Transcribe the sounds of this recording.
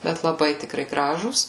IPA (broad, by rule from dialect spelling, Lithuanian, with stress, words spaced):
ˈbʲɛt lˠɐˈbɐɪ tʲɪkˈrɐɪ ˈɡrɑːʒuːs